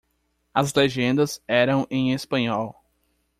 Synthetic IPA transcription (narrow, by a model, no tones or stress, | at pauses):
ɐzleʒẽnd̪ɐzɛɾɐ̃w̃ʔẽj̃espɐ̃ɲɔw